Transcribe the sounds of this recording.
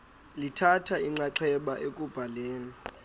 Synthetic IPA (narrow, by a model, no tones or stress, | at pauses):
litʰatʰaiŋ͡ǀaǀʰɛɓaʔekʼub̥ʱaleːni